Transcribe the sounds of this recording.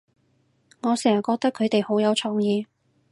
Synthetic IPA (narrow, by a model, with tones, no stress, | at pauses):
ŋɔː˨˧sɛː˨˩ŋɐ˨˩kɔː˧k̚t̪ɐ˥kʰɵ˨˧ɥt̪e˨jho˨˥wjɐ˨˧wt͡ʃʰɔː˨˧ŋjiː˨˧